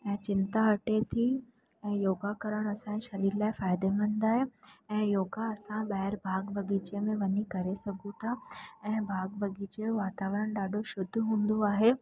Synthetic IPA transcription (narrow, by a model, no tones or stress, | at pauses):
ɛ̃ːt͡ɕɪnt̪aɐʈet̪ʰi | ɛ̃ːjoːɡakɐɾəɽ̃ɐsãẽʃɐɾiːɾlaːɪfaːɪd̪emə̃n̆d̪aːɦeɛ̃ːjoːɡaɐsãɓɐɦɪɾbʱaːɡbʱɐɡiːt͡ɕemẽʋɐɲikɐɾesɐɡʱũt̪ʰaɛ̃ːbʱaːɡ̚bʱɐɡiːt͡ɕeʋaːt̪aːʋɾəɽ̃ɗaːɖʱoʃʊd̪ʱɦũːnd̪oaːɦe